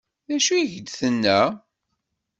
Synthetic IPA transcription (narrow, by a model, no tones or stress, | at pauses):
ðæʃuʝd̪θənːæ